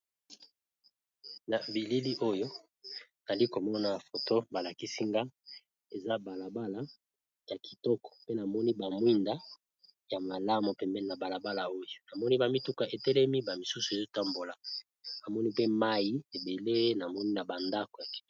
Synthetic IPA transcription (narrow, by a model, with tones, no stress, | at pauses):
na˨bi˨li˦li˦ʔo˦jo˦ | na˨li˦ko˨mɔ˦na˦˨fo˨to˦ba˨la˨ki˦si˦ŋɡa˦ | e˨za˦ba˨la˨ba˦la˨ | ja˨ki̥˨tɔ˦kɔ̥˨pe˦na˨mɔ˦ni˦ba˨mwi˦nda˦ | ja˨ma˨la˦mo˨pɛ˨mbɛ˦˨na˨ba˨la˨ba˦la˨o˦jo˨na˨mɔ˦ni˦ba˨mi˦tu˦ka˨ʔe˨tɛ˦lɛ˦mi˦ba˨mi˨su˦su˨e˨zo˦ta˦mbo˨la˨ | a˨mɔ˦ni˦pe˦ma˦ji˦e˨be˨le˦na˨mɔ˦ni˦na˨ba˨nda˦ko˨ja˨ki̥˨˦